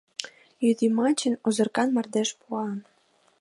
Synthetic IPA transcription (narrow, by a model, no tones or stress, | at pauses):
jyd̪imɑt͡ɕənozɤ̆rkɑnmɑrd̪eʃpuɑn